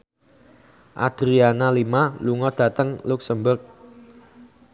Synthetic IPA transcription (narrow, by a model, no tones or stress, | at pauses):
ʔa̰d̪̥ɾianalimaluŋɔd̥ä̤t̪əŋluk̚səmbərk̚